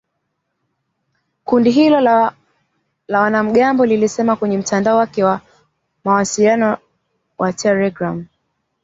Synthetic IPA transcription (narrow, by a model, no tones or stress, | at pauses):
kundiɦilɔ | lawanam̩ɠambɔlilisɛmakwɛɲɛm̩tandaɔwakɛwa | mawasilianɔ | wʔatʰɛlɛɡɾam